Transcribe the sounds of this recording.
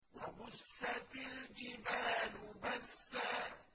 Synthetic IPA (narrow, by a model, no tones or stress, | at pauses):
wabʊsːat̪ald͡ʒɪbaːlʊbasːa